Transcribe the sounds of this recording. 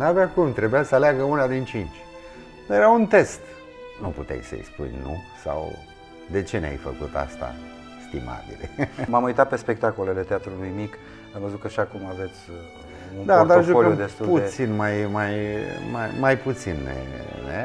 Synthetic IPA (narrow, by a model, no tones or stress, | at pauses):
nabakumt̪ɾebujasəaleaɡəunad̪int͡ʃint͡ʃ̪ʲ | jeɾaunt̪e̞st̪ | nuput̪ḛjsə̰jspṵjnṵsa̰w | d̪e̞t͡ʃe̞nea̰jfə̰kut̪a̰st̪a̰ | st̪ima̰bḭlḛmamujt̪at̪̚pe̞spe̞k̚t̪akolelet̪eat̪ɾulujmik | amvəzut̪̚kaʃakumave̞t̪sʲ | und̪ad̪aʒukoləjumd̪est̪uplut̪sinmajmajma̰jmajput̪sinːḛnḛ